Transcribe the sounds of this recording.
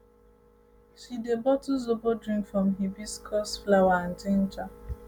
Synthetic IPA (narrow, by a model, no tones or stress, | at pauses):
ʃidebɔtuzobodɾĩŋkfɾɔ̃mɦibiskʰɔsflawaãn̩ten̩t͡ʃa